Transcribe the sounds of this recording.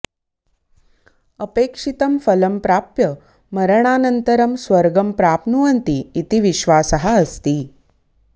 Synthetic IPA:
əpekʂit̪əmfələmpɾapjə | məɾəɳ̃anənt̪əɾəmsʋəɾɡəmpɾaːpnuʋənt̪iːt̪iʋiɕʋasəɦaəst̪iː

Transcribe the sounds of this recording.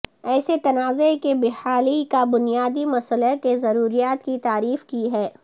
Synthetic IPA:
ɛːset̪ɐnaːzekebɪhaːlikabʊnijaːd̪imɐsəlakezɐɾuːɾijaːt̪kit̪aːɾiːfkiɦɛː

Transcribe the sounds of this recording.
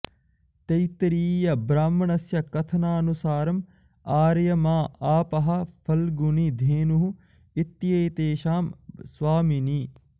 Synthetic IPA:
t̪ɐjt̪ɾiːjɐbɾaːmːɐɳɐsjɐkɐt̪ʰɐnaːnusaːɾɐm | aːɾjɐmaːaːpɐɦɐpʰɐlɡunid̪ʱeːnuɦu | it̪ːjeːt̪eːʃaːmswaːmini

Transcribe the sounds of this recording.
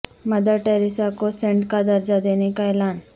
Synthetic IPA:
mɐd̪əʈeːɾɪsakosẽɳɖkad̪ɐɾd͡ʒad̪eːnekaɛlaːn

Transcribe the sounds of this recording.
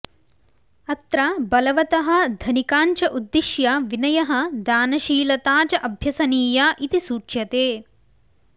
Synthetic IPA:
ɐt̪ɾɐbɐlɐʋɐt̪ɐɦɐ̆d̪ʱɐnikaːnt͡ʃɐʔud̪ːiʃjɐʋinɐjɐɦɐ̆d̪aːnɐʃiːlɐt̪aːt͡ʃɐʔɐbʱjɐsɐniːjaːʔit̪isuːt͡ʃjɐt̪eː

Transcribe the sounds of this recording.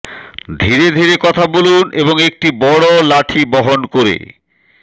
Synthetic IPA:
d̪ʱiɾed̪ʱiɾekɔt̪ʰaboluneboŋek̚ʈibɔɽolaʈʰibɔɦonkoɾḛ

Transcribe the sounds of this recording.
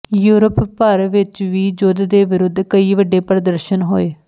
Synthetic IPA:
juːɾəpːəɾʋɪt͡ʃʋiːd͡ʒʊd̪d̪eːʋɪɾʊd̪ʱːkəiːʋəɖeːpɾəd̪əɾʃənɦoːeː

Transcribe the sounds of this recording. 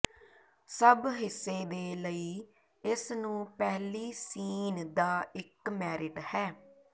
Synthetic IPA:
səbɦɪsːeːd̪eːləiː | ɪsnũːpɛːliːsiːnd̪aːɪkmɛːɾɪʈhɛː

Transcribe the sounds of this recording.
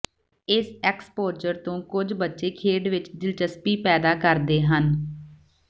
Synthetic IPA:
ɪsɛːkspoːɾd͡ʒəɾt̪õːkʊd͡ʒbətːʃeːkʰeːɖʋɪt͡ʃd̪ɪlt͡ʃəspiːpɛːd̪aːkəɾd̪eːɦən

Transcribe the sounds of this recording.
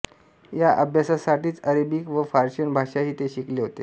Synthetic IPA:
jaʔəbʱjasasaʈiːt͡səɾəbiːkʋəfaɾɕənbʱaʂaɦiːt̪eɕikleɦot̪ḛ

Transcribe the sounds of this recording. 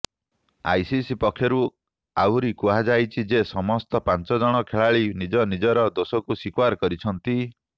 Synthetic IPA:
a̰jsisipɔkʰjɔɾu | awɾikuɦad͡ʒajt͡ʃʰid͡ʒesɔmɔst̪ɔpant͡ʃɔd͡ʒɔɽ̃ɔkʰeɭaɭinid͡ʒɔnid͡ʒɔɾɔd̪osɔkusikwaɾkɔɾit͡ʃʰɔnt̪i

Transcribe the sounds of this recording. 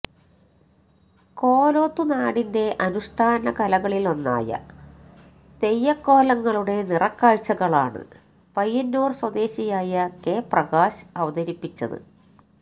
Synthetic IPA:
ko̞ːlo̞ːt̪ːunaːɽinde̞ʔɐnuʂʈʰaːnɐkɐlɐɣɐɭilo̞nːa̰ːjɐ̰ | t̪e̞jːɐkːo̞ːlɐŋːɐɭuɽe̞nirɐkːaːɻt͡ɕɐɣɐɭa̰ːɳɨ̰ | pɐjːɐnːuːrswɐd̪e̞ːɕijaːjɐke̞ːprɐɣaːɕɐʋɐd̪ɐɾipːit͡ɕːɐ̰ðɨ̰

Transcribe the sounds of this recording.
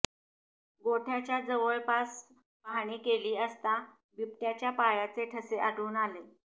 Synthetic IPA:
ɡoʈʰjat͡ɕjad͡zəʋəɭpas | paɳ̃ikeliːəst̪a | bip̚ʈjat͡ɕjapajat͡seʈʰəseʔaɽuːnale

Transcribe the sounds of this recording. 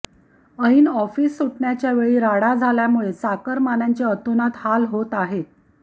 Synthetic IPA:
əiːnɔfiːsːuʈɳjat͡ɕjaʋeɭiːɾaɽad͡zʱaljamuɭet͡sakəɾmanjaɲt͡ɕeət̪onat̪halɦot̪aɦet̪̚

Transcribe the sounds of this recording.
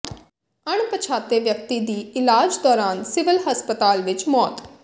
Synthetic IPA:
əɳ̃pət͡ʃʰaːt̪eːʋjək̚t̪iːd̪iːɪlaːd͡ʒd̪ɔːɾaːnsɪʋɪlɦəspət̪aːlʋɪt͡ʃmɔːt̪

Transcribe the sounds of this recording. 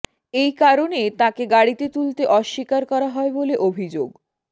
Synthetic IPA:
ejkaɾonet̪ãkeɡaɽit̪et̪ult̪eʔɔʃːikaɾkɔɾaɦɔeboleʔobʱid͡ʑoɡ

